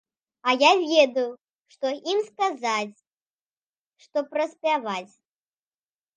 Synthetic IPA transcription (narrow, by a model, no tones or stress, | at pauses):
ɐjavʲɛd̪ɐju | ʂt̪ɔʔimskazat͡sʲ | ʂt̪ɔpɾɐsʲpʲavat͡sʲ